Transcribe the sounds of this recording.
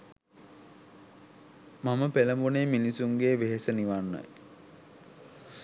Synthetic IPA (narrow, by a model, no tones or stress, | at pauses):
maməpeləmbuneːminisuŋɡeːʋeɦesəniʋanːa̰j